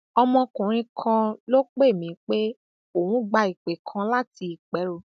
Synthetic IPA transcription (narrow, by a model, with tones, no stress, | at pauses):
ɔ˧mɔ̃˧kũ˨ɾ̃ĩ˧kʰã˧lo˦k͡pe˦˨mĩ˨˦k͡pe˦ | o˨wũ˦ɡ͡ba˧i˨k͡pe˨kʰã˧la˦ti˧i˨k͡pɛ˨˦ɾo˦˨